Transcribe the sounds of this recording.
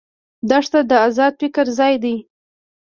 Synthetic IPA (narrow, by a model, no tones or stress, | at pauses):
d̪ɑʂt̪ad̪əazɑd̪̚pɪkəɾzɑjd̪aj